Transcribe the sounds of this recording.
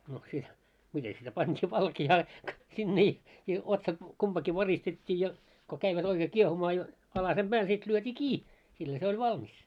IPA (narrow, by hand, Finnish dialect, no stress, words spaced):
no sit mite sitæ pɑntʲiː ʋɑlkiɑː sinːe i i otsɑt kumpɑki ʋɑristetʲːiː jɑ ko kæiʋæt oikeː kiehumɑː jo ɑlɑsem b̥æːl sit lyøtʲiː kiː silːæ se olʲ ʋɑlmis